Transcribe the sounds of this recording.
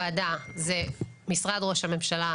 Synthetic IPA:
adazemisʁadʁo̞ʃhame̞mʃala

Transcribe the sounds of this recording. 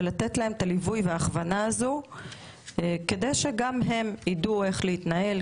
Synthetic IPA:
lat̪et̪lae̞metalivujveaːχvanaːzu | ke̞d̪e̞jʃe̞ɡamɦe̞midue̞χleit̪nae̞l

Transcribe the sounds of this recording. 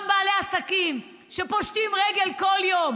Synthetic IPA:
mbaːleasakim | ʃepoʃt̪imʁeɡe̞lko̞ljo̞m

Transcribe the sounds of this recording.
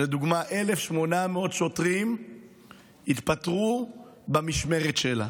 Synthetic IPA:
led̪uɡmaʔe̞lefʃmo̞nameo̞t̪ʃo̞tʁim | it̪pat̪ʁubamiʃme̞ʁetʃela̰

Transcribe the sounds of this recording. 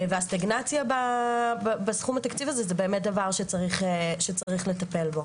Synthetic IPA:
veast̪aɡnat͡sjabababasχumat̪akt͡sivazezebe̞ːmet̚d̪avaʁʃet͡saʁiχeʃet͡saʁiχle̞t̪ape̞lbo

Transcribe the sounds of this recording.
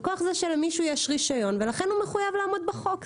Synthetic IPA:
koaχzeʃelmiʃujeʃʁiʃajo̞nvelaχenhumeχujavlaːmo̞d̪̚beχo̞k

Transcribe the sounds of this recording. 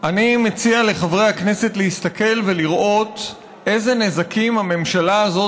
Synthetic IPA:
ʔanimet͡siale̞χavʁe̞jhakne̞se̞t̪lehist̪ake̞lve̞liʁʔo̞t | ʔe̞ze̞ne̞zakimhame̞mʃalaːzo̞

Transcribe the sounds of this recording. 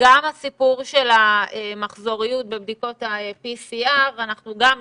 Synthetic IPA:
ɡamasipuʁʃe̞laemaχzo̞ʁijut̚bebdiko̞taepisiaʁanaχnuɡam

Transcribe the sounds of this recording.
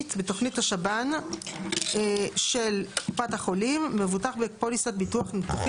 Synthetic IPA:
tbeto̞χnithaʃaban | ʃelkupathaχolimːe̞vutaχbepolisat̚bituaχnetuχ

